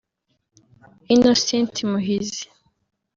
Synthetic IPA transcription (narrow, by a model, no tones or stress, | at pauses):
inosentʰimuɦizi̥